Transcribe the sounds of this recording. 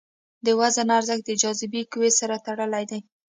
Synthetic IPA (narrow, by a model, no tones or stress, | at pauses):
d̪əwazanaɾzəxd̪əd͡ʒɑzɪbikwesaɾat̪aɽəlajd̪aj